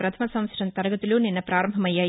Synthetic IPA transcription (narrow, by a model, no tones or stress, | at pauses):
pɾɐt̪ʰɐmɐsɐ̃m̃sʈɐnt̪ɐɾɐɡɐt̪ːiluninːɐpɾaːɾɐmbʱɐmɐjːɐ